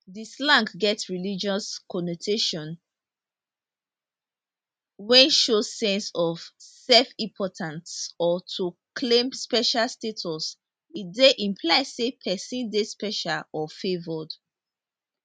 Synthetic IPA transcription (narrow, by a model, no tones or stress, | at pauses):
dislãŋkɡɛtsɹilid͡ʒɔskʰɔnotʰeʃɔ̃n | wɛ̃nʃosɛ̃nsɔv̥sɛlfĩmpʰɔtʰãntsɔtʰukʰlẽmspɛʃalstetʰɔs | ideʔĩmpʰlaɪsepʰɛsĩndespɛʃalɔfevɔd